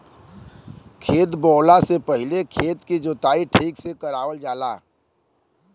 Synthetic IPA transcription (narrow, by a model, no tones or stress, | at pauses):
kʰeːt̪bɔːlasepəɦɪlekʰeːt̪kid͡ʒoːt̪aːiʈʰiːksekəɾaːʋəld͡ʒaːlaː